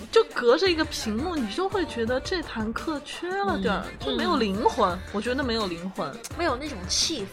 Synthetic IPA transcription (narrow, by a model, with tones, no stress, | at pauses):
t͡ɕjo˥˩ʊkɤ˧˥ʈ͡ʂə˧i˧˥ɡə˧pʰi˧˥ŋmu˥˩ni˨˩t͡ɕjo˥˧ʊxwe˥˩ɪt͡ɕɥɛ˧˥d̪ə˧ʈ͡ʂe˥˩t̪ʰa˧˥nkʰɤ˥˩t͡ɕʰɥɛ˥lə˨t̪jɑ̰˞˨˩t͡ɕjo˥˩ʊme˧˥ɪjo˨˩ʊli˧˥ŋxwə˧˥nwɔ˨˩t͡ɕɥɛ˧˥d̪ə˧m˧˥ɪjo˨˩ʊli˧˥ŋxwə˧˥nme˧˥ɪjo˨˩ʊna˥˩ʈ͡ʂʊ˨˩ŋt͡ɕʰi˥˩f